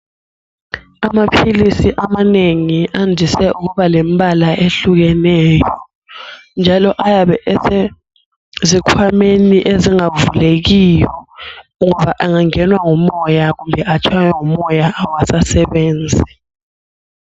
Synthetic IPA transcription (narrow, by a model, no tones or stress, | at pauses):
amapʰilisiʔamaneŋiʔandʱisɛʔuk̬uɓalembʱalaʔeɬuk̬ɛnɛːjɔ | nd͡ʒʱalɔʔajaɓɛʔɛse | zikʰwameniʔeziŋavulek̬ijɔŋɔβaʔaŋaŋɛnwaŋumɔjak̬umbʱɛʔat͡ʃʰajɛŋumɔjaawasasɛɓeːnd͡zʱi